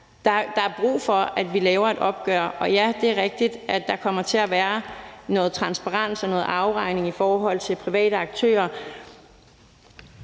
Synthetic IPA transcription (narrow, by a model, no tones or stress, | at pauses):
d̥ɑ̈d̥ɑ̈æɐb̥ʁṵːfɒ̽æd̥ʋilɛːʊɐæd̥ɒ̽b̥̚ɡ̥œ̰ɐʔɒ̽jæd̥e̝æɐʁɛɡ̥̚d̥id̥ædːɑ̈kʰɒ̽m̰ɐt͡sʰe̝æʋæːɐnɔ̽ːð̩ˠt͡sʰʁɑ̈nsb̥ɑʁɑ̈n̰sɒnɔ̽ːð̩ˠɑ̈ʊʁɑ̈ɪ̰ne̝ŋifɒːɦɒ̽l̰t͡sʰe̝lpʰʁiʋɛ̰ːɾəɑ̈ɡ̥̚t͡sʰø̰ːɐ